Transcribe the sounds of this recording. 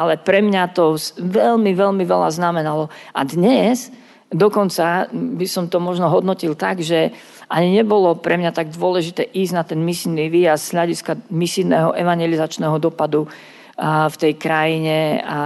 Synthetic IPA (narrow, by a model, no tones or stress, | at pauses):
ʔalɛpɾɛmɲat̪ɔʋɛlmiʋɛlmiʋɛla̰znamɛnalɔad̪ɲɛz | d̪ɔkɔnt͡sabisɔmt̪ɔmɔʒnɔɦɔd̪nɔcilt̪aɡʒɛ | ʔaɲiɲɛbɔlɔpɾɛmɲat̪aɡ̚d̪ʊɔlɛʒit̪ɛːʔiːzɟnat̪ɛnmisiːniʋiːjasz̥ɦʎaɟiskamisinɛ̰ɦɔ̰ʔɛʋaɲjɛlizat͡ʃnɛɦɔd̪ɔpad̪u | ft̪ɛjkɾajiɲɛ